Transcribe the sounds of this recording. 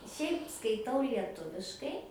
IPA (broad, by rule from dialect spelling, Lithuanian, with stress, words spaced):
ˈʃʲɛɪp skɐɪˈtɐʊ lʲiɛˈtʊʋʲɪʃkɐɪ